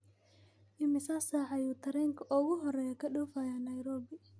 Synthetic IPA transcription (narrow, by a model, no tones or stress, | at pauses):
ɪmɪsasaːħɑjuːt̪ʰɐɾɛːŋkʰɐʔʊɣʊɦɔrɛjɐkʰɐɗuːfajanɐjɾɔːbɪ